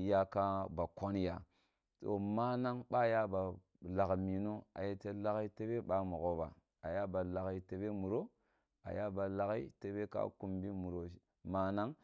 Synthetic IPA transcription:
ja˦ka˦ba˨ko˦nja˨ | to̰˨ma˦na˦ŋɓa˦˨ja˦ba˨ | la˨kmi˨no˦a̰˨je˦te˨la˦ki˦te˦be˦ɓa˦mu˨ɣo˦ba̰˨ | a˨ja˦ba˨la˨ɣi˨te˨be˦mu˨ɾo˦ | a̰˨ja˦ba˨la˨ɣi˦te˨be˦ka̰˦ku˨mbi˦mu˨ɾo˨ | ma˦na˦ŋ

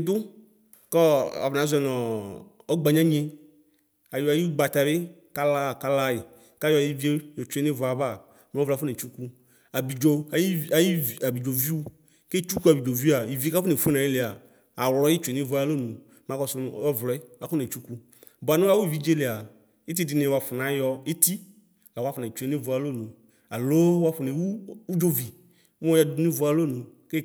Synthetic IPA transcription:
d̪ʊ˦ | kɔ˦a̰˨vnã˨˦zɛ˨nɔ̃˨ | ɔ˦ɡ͡ba˨ɲã˦ɲe˦ | a˨jo˨a˨ji˦ɡ͡ba˨t̪a˨be˦ka˦la˦˨ka˦la˦ji˨ | ka˦jɔ˦˨i˦vi˦e˦jo˨t͡ʃe˨˦ne˦vɔ˨˦a˨ba˦˨ | me˨˦ɔ˦vlfʊ˦ne˨t͡ʃu˦ku˦ | a˨bi˨d͡ʒo˨˦a˨ji˦˨a˨bi˨d͡ʒo˨vi˦wu˦ | ke˦t͡ʃu˦ku˦a˨bi˨d͡ʒo˨vi˦a˨ji˨vi˦ka˦fʊ˦ne˨fe˦nã˨je˦le˨aː˨ | wlɔ˨˦i˦t͡ʃe˨nĩ˦vu˨˦a˨lo˦nũ˨ | mã˨kɔ˧sʊ˦˨˦ɔ˦vla˨kʊ˦ne˨t͡ʃu˦ku˦ | ba˨nũ˦a˦wu˦˨vi˨˦d͡ʒe˦le˨a˨ | i˦t̬i˦di˨nẽ˨wa˨fʊ˨na˨˦jɔ˧i˦ti˦ | la˨wa˨˦fʊ˨na˨i˨t͡ʃu˨e˨˦nĩ˦vu˨a˨lo˦˨nũ˨ | a˨lo˦wa˦fʊ˨ne˨wu˦u˦d͡ʒo˦vi˨ | m˦ɔ˦ja˨du˨u˦ni˦vu˨˦a˨lo˦˨nũ˨ke˦

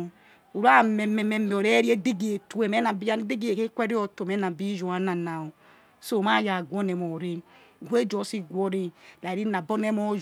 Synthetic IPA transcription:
u˨ɾa˦˨me˨me˨me˨me˨o˨ɾe˦ɾi˦e˦de˦ɡe˨tu˦e˨me˦na˨bi˦a˦de˦ɡe˨ke˦kʷe˦ɾi˦o˦to˨me˦na˨bi˦d͡ʒo˨a˨˦na˨na˨o˨ | so˦˨ma˦˨ja˨ɡʷo˦ne˨mo˨ɾe˦˨ɡe˦d͡ʒo˨˦si˦ɡʷɔ˦ɾe˦la˨ɾi˦na˨bo˦ne˦mɔ˦

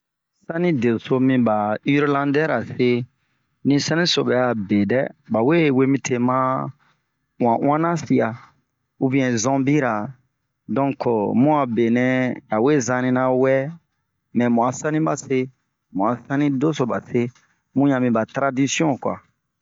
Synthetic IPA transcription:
sã˦nĩ˦de˨so˧mĩ˧ba˨i˦ɾlã˦dɛ˦ɾa˨se˦ | nĩ˦sã˦nĩ˦so˨bɛ˨a˨be˨dɛ˦ba˨we˦we˦mĩ˦tʰe˨mã˦ | w̃ã˨w̃ã˦nã˦si˨a˨ | u˦bĩ˦ɛ̃˨zɔ̃˦bi˦ɾa˨ | dɔ̃˦kʰo˨mũ˦a˨be˨nɛ̃˦a˨we˦zã˧nĩ˧nã˦wɛ˦ | mɛ̃˨mũ˨a˨sã˦nĩ˦ba˨se˦ | mũ˨a˨sã˦nĩ˦do˦so˨ba̰˨se˦ | mũ˦jã˨mĩ˨ba˨tɾa˦di˦si˦ɔ̃˦˨kwa̰˨

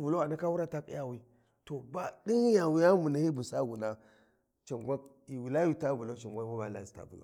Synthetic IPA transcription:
vu˨lo˦a˨na˦ka˦wu˦ɾa˦ta˦kḭ˦ja˦wi˦ | to˨ba˨di˦ŋi˦ja˨wi˦ja˦mu˨na˨hi˦bu˨sa˦ɡu˨na˦ | t͡ʃa˨ŋɡʷa˦k̚i˨wi˨la˦ju˦ta˦vu˨lo˦t͡ʃa˨ŋɡʷa˦ma˦ba̰˨˦la̰˦˨zi̥˦ta̰˨vu˨lo̰˨

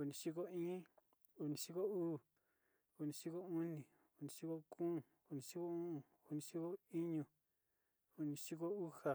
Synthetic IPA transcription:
u˧˨nĩ˧ʃi˦ko˦ĩː˦ | u˧nĩ˨˧ʃi˦ko˦uː˦˨ | u˧˨nĩ˧ʃi˦ko˦u˦nĩ˨ | u˧˨nĩ˨˧ʂi˦ko˦kũː˦˨ | u˧nĩ˧ʃi˦ko˦ũ˦ũ˨ | u˧nĩ˧ʃi˦ko˦i˦ɲũ˨ | u˧nĩ˧ʃi˦ko˦u˦ha˨

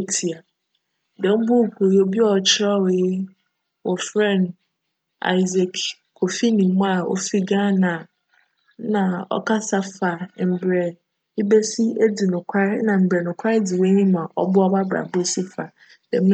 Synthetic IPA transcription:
tʰi˨a˨ | dɛ̃˨m̩˦bʊ˦˨kʷʰo˨jo˦bi˦ɔ˦˨t͡ɕʰɪ˦ɾɔ˦we˨je˦ | wɔ˨fɾɛ̃˦˨n | a̰˨i˨ze˨kʰ | kʰo˨fi˦nĩ˨˦mũ˦a˨o̰˦fi˦ɡã˦nã˨˦ | nã˨ɔ̰˦kʰa˦sa˦fa˨m̩˨bɾɛ˨ | i˦be˦si˦e˦di˨nʊ̃˨kʷʰa˦ɾnã˨m̩˨bɾɛ˨nʊ̃˨kʷʰa˦ɾe˦di˨we˦ɲĩ˦mã˨ʔɔ̰˦bʊ˦ɔ˦ba˦ba̰˨bo˦si˦fa˨ | dɛ̃˨m̩˦

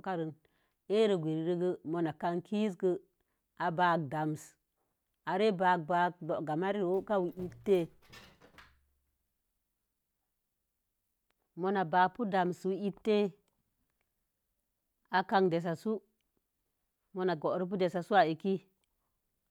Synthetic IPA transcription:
ka˦ɾə˨n | e˦ɾə˨ɡʷe˨ɾi˨ɾə˦ɡə˦mo˨na˨ka˧ŋkʰi˦sɡə˦ | a˨ba˦k̚da˨ms | a˨ɾe˦ba˨k̚ba˨˦k̚do˨ʔɡa˨ma˦ɾi˦˨wo˦ka˦wi˨i˦p̚tːe˦ | mo˨na˨baː˨pu˦da˨mswi˦i˦p̚tːe˦ | a˨ka˧ŋde˨s̬a˨su˦ | mo˨na˨ɡo˨ʔɾi˦p̬u˦de˨sa˨su˦a˨e˨ki˦

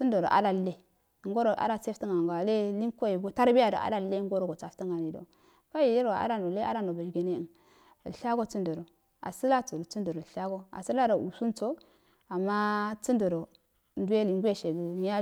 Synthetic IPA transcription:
t͡si˦ndo˨ɾo̰˨ʔa̰˦da˨lːe˦˨ | ŋɡo˦ɾo˨ʔa̰˦ɾa˦t͡se˦fi˦ŋa˨ŋɡa˨le˦li˦ŋko˦je˨ɡo˦ta˦ɾbi˦ja˦˨do̰˨ʔa̰˨da˦le˦ŋ˦ɡo˦ɾo˦˨ɡo˨t͡sa˨fti˦ŋa˨ni˨do̰˨ | ka˦ji˨ji˦ɾwa˨a̰˦ɾa˦no˨le˦a̰˦ɾa˦no˨ba˨d͡ʒɡe˨ne˦˨n˨ | ɬa˦ɡo˦t͡su˦ndo˨ɾo˨ | a̰˨si˦la˦t͡so˨ɾo˨t͡su˦ndo˨ɾo˨ɬa˦ɡo˦a̰˨si˦la˦ɾo˨ṵ˨su˦n˦t͡so˦ | a˨mːa˦t͡si˦ndo˨ɾo˨ | ndu˦e˦li˨ŋɡu˦e˦ʃe˨ɡi˨˦a˦

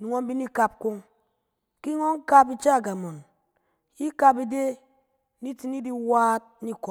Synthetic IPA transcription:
nu˨ŋo˦m̩˦bi˦ni˦ka˨p̚ko˦ŋ | ki˦ŋo˦ŋ̩˦ka˦p̬i˦t͡ʃa˦˨ɡa˨mo˨n | i˦ka˨p̬i˦de˦ | ni˦ti˦ni˦di˦waː˦t̚ni˦kɔ˨

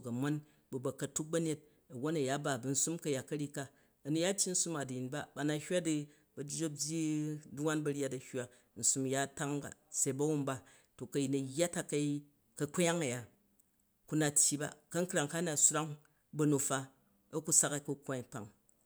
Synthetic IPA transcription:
kɐ˨ma˦n | bɐ˨bɐ˨kɐ˨tu˦k̚bɐ˦ne˦t̚ | ɐ˨wo˦nɐ˨ja˦ba˨bɐ˨n̩˦su˦mkɐ˨ja˨kɐ˦ɾi˦ka˦ | ɐ˨nu˨ja˦tʲji˦n̩˦su˦ma˨di˨ji˨nba˦ba˨na˨hʲwa˦di˦ | bɐ˨d͡ʒd͡ʒo˦bʲji˦du˦wa˦nbɐ˧ɾʲja˦tɐ˨hwa˦ | n̩˨su˦m˨ja˦˨ta˦ŋba̰˨se˨i˦bɐ˦wu˦mba˨ | to˨kɐ˨ji˨nɐ˨jːa˦ta˨kɐ˦ | kɐ˨kʷja˦ŋɐ˨ja˨ | ku˦na˨tʲji˦ba̰˨kɐ˦ŋ̩˦kɾa˨ŋka˦na˨su˦ɾa˦ŋ | bɐ˦nu˨fa˦ | ɐ˦ku˦sa˦ka˨ku˦kʷa˨i˨pa̰˨ŋ

